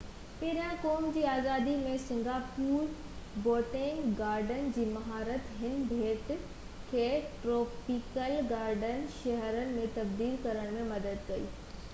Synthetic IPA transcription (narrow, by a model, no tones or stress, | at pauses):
peɦɪɾijãkoːmd͡ʑiːaːzaːd̪imẽsɪ̃ŋɡaːpuːɾboːʈẽŋɡɡaːɾɖənd͡ʑiːmɐɦaːɾət̪ɦɪnbʱeːʈ̪ | kʰeːʈɾoːpikəlɡaːɾɖənʃɐɦɾənɪ̆mẽt̪ɐb̚d̪iːlkɐɾəɽ̃mẽmɐd̪əd̪kɐḭː